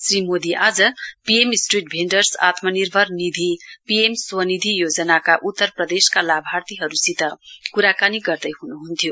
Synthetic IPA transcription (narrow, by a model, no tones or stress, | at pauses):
srimod̪iʔad͡zʌpijemisʈriʈ̚bʱeɳɖʌrsa̰t̪ʰmʌnirbʱʌrnid̪ʱipiemswʌnid̪ʱijod͡zʌnakaʔut̪ːʌrprʌd̪eskalabʱart̪iɦʌɾusit̪ʌkuɾakaniɡʌrd̪ʌjɦunuɦunt̪ʰjo